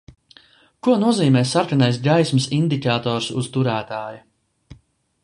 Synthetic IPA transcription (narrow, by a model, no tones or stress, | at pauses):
kuɔnuɔziːmɛːsaɾkanajs̬ɡajsmɨsind̪ikaːt̪ɔːɾsṵz̥t̪uɾæːt̪aːju